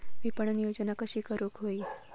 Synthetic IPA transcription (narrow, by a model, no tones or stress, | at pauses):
ʋipəɳnijod͡ʒənakəʃiːkəɾukɦoi